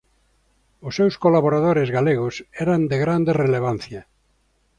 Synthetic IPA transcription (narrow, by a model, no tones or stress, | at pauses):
ʊsːewskolaβoɾað̞oɾezɣaleɣ̞osɛɾand̪eɣɾand̪ereleβ̞an̟θja